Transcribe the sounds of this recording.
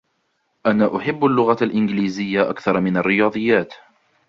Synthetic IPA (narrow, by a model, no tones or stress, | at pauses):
ʔanaːʔʊħɪbːalːʊɣaalʔɪnɡliːzɪjːaʔa̰kθɑɾˤmɪnarːɪjɑːðˤɨjːaːt̪